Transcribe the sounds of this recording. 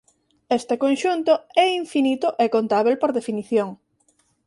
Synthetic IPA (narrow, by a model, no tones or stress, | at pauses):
est̪ekonʃunt̪oɛiɱfinit̪ʊʔekont̪aβ̞elpoɾðefiniθjoŋ